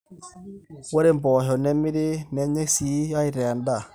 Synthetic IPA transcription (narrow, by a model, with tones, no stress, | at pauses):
wɛ˦ɾe˦mbɔ˨ɦɔ˨nɛ˦mɪ˦ɾɪ˦nɛ˦ɲɛ˦si˨˦a˦i˦˨ɾɛ˨a˨nda˦˨